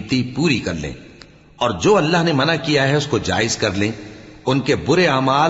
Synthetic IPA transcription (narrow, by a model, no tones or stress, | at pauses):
t̪ipuːɾikɐɾlḛ̃ː | ɔːɾd͡ʒoːɐlːaɦnemɐnakijaɦɛʊskod͡ʒa̰ːɪzkɐɾlẽːʊnkebʊɾeaːmaː